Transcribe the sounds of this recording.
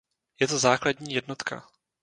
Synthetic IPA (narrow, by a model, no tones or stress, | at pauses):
jɛt̪o̞zaːkladɲiːjɛdno̞t̪kʰa̰